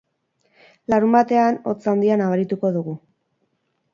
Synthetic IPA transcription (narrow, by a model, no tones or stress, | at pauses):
laɾumbat̪e̞ano̞t͡sand̪ianaβ̞aɾit̪uko̞ðuɣu